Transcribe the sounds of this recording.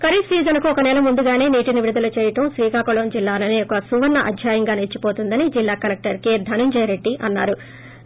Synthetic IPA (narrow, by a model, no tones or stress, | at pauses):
kɐɾisiːd͡ʒɐnkuɔkɐnɛːlɐmund̪uɡaːne̞ːniːʈiniʋiɾud̪ɐlɐt͡ʃɛːjɐʈɐmsʋiːkaːkɔɭɐːnd͡ʒilːaːnɐneːɔkɐsuʋɐɾnːɐʔɐ̰d̪ʱjaːjɐŋɡaːnet͡ʃːipo̞ːt̪und̪ɐnid͡ʒilːaːkɐlek̚ʈɐɾked̪ʱɐnuɲd͡ʒɐjɾe̞ɖːiʔɐnːaːɾu